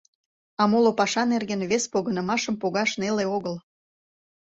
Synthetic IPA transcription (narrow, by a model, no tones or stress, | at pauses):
ɑmolopɑʃɑnerɣenβespoɣənə̆mɑʃəmpoɣɑʃneleoɣəl